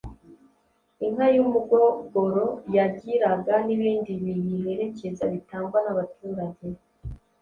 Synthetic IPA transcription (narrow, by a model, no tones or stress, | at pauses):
iŋɦajumuɡo̞ɡo̞ɾo̞jaɟiɾaɡaniβiːndiβijiɦe̞ɾe̞ce̞zaβitaːŋɡwanaβatʰuːɾaɟe̞